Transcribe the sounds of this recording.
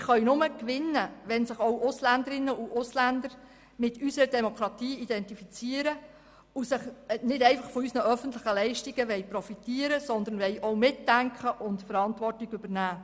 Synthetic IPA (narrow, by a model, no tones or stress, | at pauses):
ɪχœɥnʊməkʋɪnːəʋɛnsɪχɔwʔʊslænd̪əɾɪnːəuʔʊslænd̪əɾ | mɪtʰysəɾədɛmɔkɾɑtiːidɛntifit͡siəɾə | usɪχnɪtɛɪfɑχfɔysnəʔœfən̩tləχəlɛɪʃtiɡəʋɛɪpɾɔfitiəɾəsɔnd̪ənʋɛjʔɔwmɪtdæŋkχəʔʊntfəɾɑntʋɔrtiɡʏbəɾnæː